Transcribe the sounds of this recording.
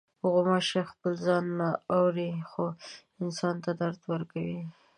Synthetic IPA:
ɣomaʃaxpəlzɑnːaawɾixo | ɪnsɑnt̪ad̪aɾt̪wəɾkawi

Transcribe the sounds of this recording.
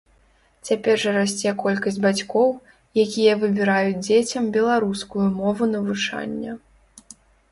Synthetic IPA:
t͡sʲapʲɛrʐɐɾasʲt͡sʲɛkɔlʲkɐsʲd͡zʲbat͡sʲkɔw | jakʲijɐvɨbʲiɾajud͡zʲd͡zʲet͡sʲɐmbʲɛlˠaɾuskujumɔvunɐvɨt͡ʂa̰nʲːɐ

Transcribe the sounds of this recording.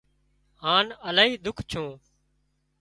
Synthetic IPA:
haːnəlaːɦiːd̪ʊkʰt͡ʃʰũː

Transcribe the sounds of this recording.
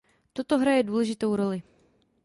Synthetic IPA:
t̪ot̪oɦɾajɛduːlɛʒɪt̪o̞wɾo̞lɪ

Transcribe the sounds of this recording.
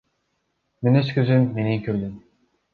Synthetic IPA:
meneskʲyzymːeniŋkʰʲyɾd̪ym

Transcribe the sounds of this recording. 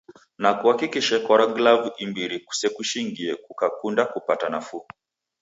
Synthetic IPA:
nakuhakikiʃakɔɾaɡlavimbiɾiku̥sɛkuʃiŋɡiɛkukakundakupatanafu

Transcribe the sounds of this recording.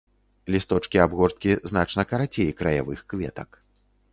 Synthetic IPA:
lʲist̪ɔt͡ʂkʲiabɣɔrt̪̚kʲiznat͡ʂnɐkɐɾat͡sʲejkɾɐja̰vɨxkvʲɛ̰t̪ɐk

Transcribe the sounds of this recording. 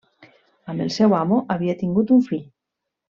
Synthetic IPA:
amelsɛwamoʔaβiat̪iŋɡut̪uɱfiʎ

